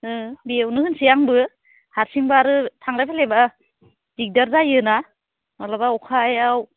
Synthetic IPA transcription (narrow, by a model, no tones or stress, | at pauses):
ɯbiewnɯhɯnsijaŋbɯ | haɾsiŋbaːɾɯtʰaŋlajpʰaleba | b̥ik̚daɾdajɯna | malabaɔkʰajaw